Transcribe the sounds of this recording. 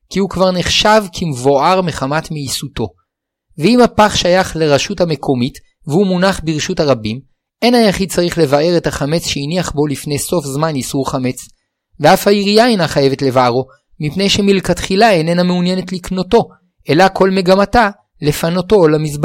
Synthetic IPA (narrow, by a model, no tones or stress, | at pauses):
kiukvaʁneχʃavkʰimvo̞aʁme̞χamatmiisuto̞ | veimhapaχʃajaχleʁaʃuthame̞kʰo̞mit | veumunaχbiʁʃuthaʁabim | ʔe̞najaχid̚t͡saʁiχle̞vaʔe̞ʁe̞thaχame̞t͡sʃeiniaχbo̞lifnejso̞fzmanisuʁχame̞t͡s | veafhaiʁijaenaχaje̞vetle̞vaaʁo | mipne̞jʃe̞milkatχilaenenameunjene̞tlikno̞to̞ | ʔe̞lakʰo̞lme̞ɡamata | le̞fano̞to̞lamis̬b